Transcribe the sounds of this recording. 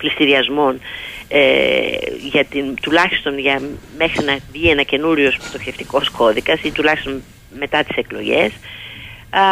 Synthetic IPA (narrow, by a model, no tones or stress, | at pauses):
plist̪iɾiɐzmo̞ne | ʝɐt̪int̪ulɐçi̥st̪o̞nʝɐme̞xɾinɐvʝie̞nɐce̞nuɾʝospst̪o̞çe̞ft̪iko̞sko̞ðikɐsit̪ulɐçist̪o̞n | me̞t̪ɐt̪i̥se̞klo̞̰ʝe̞̰s